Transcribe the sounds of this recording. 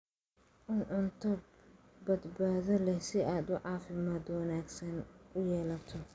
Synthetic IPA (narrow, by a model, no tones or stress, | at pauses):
ʔʊnʕʊnt̪ʰɐb | bɐd̪baːðɐlɛhsɪaːd̪ʊʕɑːfɪmaːd̪wɑnaːɡsɐnʊjɛːlɐt̪ʰɔ